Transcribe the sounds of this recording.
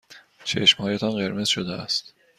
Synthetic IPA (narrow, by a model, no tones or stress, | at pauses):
t͡ʃʰeʃmhɒːjet̪ʰɒnɢe̞ɾme̞z̥ʃod̪eæ̰st̪